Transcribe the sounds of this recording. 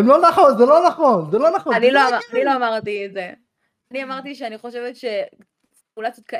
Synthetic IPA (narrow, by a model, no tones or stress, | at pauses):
emlonaχonzelo̞naχo̞nzelo̞naχoaniloaaniloamaʁt̪ietze | aniamaʁt̪iʃeaniχo̞ʃevet̪ʃe̞ | ulajt͡sot̪̚ka